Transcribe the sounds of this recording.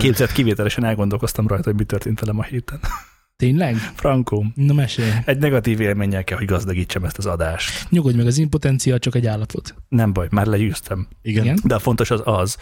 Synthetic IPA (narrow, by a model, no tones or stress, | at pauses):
keːbzɛt̪kiveːt̪ɛlɛʃɛnɛlɡo̞nd̪o̞lko̞st̪ɒmrɒjt̪ɒhoɟmit̪ørt̪eːnt̪ʋɛlɛmɒheːt̪ɛn | t̪eːɲlɛɡfrɒŋkoːnomɛʃeːjɛɟnɛɡɒt̪iːveːlmeːɲːɛlkɛlho̞ɟɡɒzd̪ɒɡiːt͡ʃːɒmɛst̪ɒzɒd̪aːʃt̪ɲoɡo̞ɟmɛɡɒziːmpo̞t̪ɛnt̪sijaːlt͡ʃɒkɛɟaːlːɒpʰo̞t̪nɛɱbɒjmaːrlɛjyːst̪ʰɛmiɡɛɛnd̪ɛɒfo̞nt̪o̞ʃɒzɒz